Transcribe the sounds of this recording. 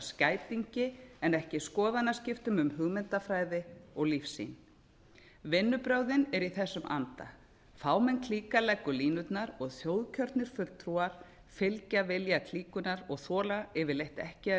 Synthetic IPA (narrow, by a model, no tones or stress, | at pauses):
scaːjt̪iɲcɪɛnɛhcɪskɔːðanascɪft̪ʏmʏmhʏɣmɪnt̪afɾaːjðɪɔɣlifsḭn | vɪnːʏpɾœɣðɪnɛɾiθɛsːʏmʔa̰nt̪a̰ | faːwmɛnkʰliːkalɛkːʏliːnʏt̪naɾɔɣθjoːwðcʰœɾt̪nɪɾ̥fʏlt̪ʰɾuaɾ̥ | fɪlcavɪljakʰl̥iːkʏnaɾɔɣθɔːlaɪvɪlejht̪ɛ̰hcɪ